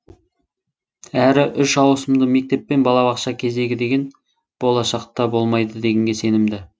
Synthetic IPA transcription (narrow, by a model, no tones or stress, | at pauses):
æɾɪʔʏʃɑwsəmd̪əme̞k̚t̪e̞pːe̞nbɑlˠɑbɑqʃɑkʲʰe̞ze̞ɡʲɪd̪e̞ɡʲe̞n | b̥o̞lˠɑʃɑqt̪ɑbo̞lˠmɑjd̪əd̪e̞ɡʲeŋɡʲe̞se̞nɪmd̪ɪ